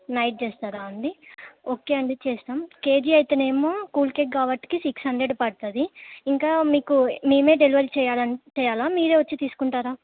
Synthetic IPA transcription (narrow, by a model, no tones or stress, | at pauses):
nɐjʈ̚t͡ʃeːst̪aːɾaːɐɳɖ̪ioːke̞ːɐɳɖet͡ʃeːst̪aːmke̞ːd͡ʒiɐjt̪eːne̞ːmoːkuːlkeːk̚ɡaːʋɐʈːi̥kisiksɐɳɖeɖpɐɽt̪aːd̪iiŋkaːmiːkumiːme̞ːɖeliʋɐɾit͡ʃɛːjaːlɐnt͡ʃɛːjaːlaːmiːɾe̞ːʋɐt͡ʃːit̪iːsu̥kuɳʈaːɾaː